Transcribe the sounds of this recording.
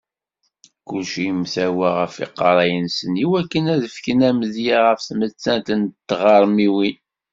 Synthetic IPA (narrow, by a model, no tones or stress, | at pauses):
kʊlʃijəmθæwæʁəfḭqːɑɾˤɑjənsəniwækːənæðəfkənæməðjaʁəfθmət͡sːænt̪ənt̪ːʁɑɾˤmiwi